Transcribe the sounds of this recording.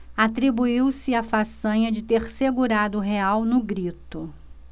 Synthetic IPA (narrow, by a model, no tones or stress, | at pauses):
at̪ɾibuiwsɪafasɐ̃ɲɐd͡ʒɪt̪eɾseɡuɾad̪ʊʊɦeawnʊɡɾit̪ʊ